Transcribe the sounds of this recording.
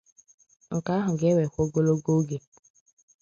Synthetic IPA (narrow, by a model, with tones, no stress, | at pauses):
ŋ̩˨ka˨˦ɦʊ˨ɡe˦we˨kʷo˦ɡo˦lo˦ɡo˦ɡe˨